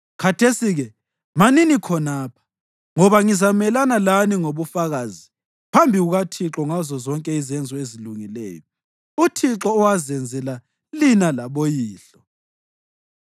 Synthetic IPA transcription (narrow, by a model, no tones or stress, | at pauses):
kʰatʰesiɣɛ | maninikʰɔnaːpʰḁ | ŋɔβaŋizamɛlanalaniŋoβufaɣazi | pʰambʱiɣuɣatʰiǁɔŋazɔzɔŋkʼɛizɛnd͡zʱɔeziluŋilɛ̰ːjɔ | utʰiǁɔːwazɛnd͡zʱɛla | linalaβojiːɬɔ